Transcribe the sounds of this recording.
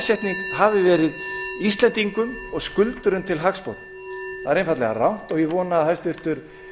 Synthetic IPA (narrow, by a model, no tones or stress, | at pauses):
sjɛht̪niŋkɦavɪvɛːɾɪðist̪lɛnt̪iŋkʏmɔɣskʏlt̪ʏɾʏmt̪ʰɪlɦakspɔ̰wt̪m | θaðaɾejnfat̪lɛ̰ɣa̰rawn̥t̪ɔɣjɛvɔːnaːðθast̪vʏɾ̥t̪ʏɾ̥